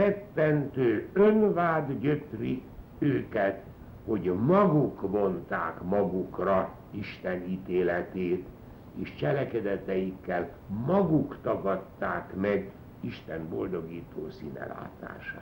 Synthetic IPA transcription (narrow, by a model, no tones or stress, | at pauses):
rɛpːɛnt̪øːønvaːd̪ɟøt̪ri | øːkɛt̪ | ho̞ɟmɒɡukmo̞nt̪a̰ːkmɒɡukrɒ | iʃt̪ɛniːt̪eːlɛt̪eːt̪ | eːʃt͡ʃɛlɛkɛd̪ɛt̪ɛjikːɛl | mɒɡukt̪ɒɡɒt̪ːaːkmɛɡ | iʃt̪ɛmbo̞ld̪o̞ɡiːt̪oːsḭːnɛ̰la̰ːt̪a̰ːʃa̰